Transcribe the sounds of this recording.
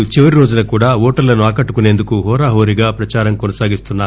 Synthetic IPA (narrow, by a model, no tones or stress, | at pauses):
t͡ʃiʋɐɾiɾo̞ːd͡ʒunɐkuːɽaːɔːʈɐɾlɐnuaːkɐʈːukune̞ːnd̪ukuɦɔːɾaːɦoːɾiɡaːpɾɐt͡ʃaːɾɐmkɔnɐsaːɡist̪unːaː